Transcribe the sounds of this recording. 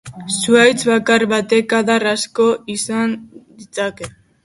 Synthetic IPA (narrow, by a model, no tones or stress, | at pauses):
suajt͡sβakarβat̪e̞kaðarasko̞isand̪it͡sake̞